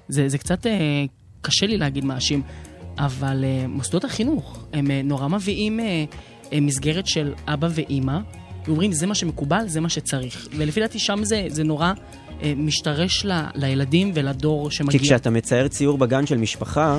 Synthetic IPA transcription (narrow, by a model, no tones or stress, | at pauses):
zezekt͡sate | kaʃe̞lileaɡidmaːʃimʔavalemasd̪o̞thaχinuχe̞meno̞ʁamaviʔime | mis̬ɡe̞ʁetʃe̞lʔabave̞ʔima | veomʁimze̞maʃe̞me̞kubalze̞maʃet͡saʁiχvelefidat̪iʃamze̞zeno̞ʁa | emiʃtaʁe̞ʃla̰lajeladimvelado̞ʁʃe̞maɡikɡiʃeatamet͡saeʁt͡siuʁbaɡanʃelmiʃpaχa